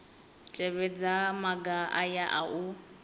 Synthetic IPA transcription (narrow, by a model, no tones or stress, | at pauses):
t͡ʃʼɛβɛd͡zamaɡaʔajaʔa̰u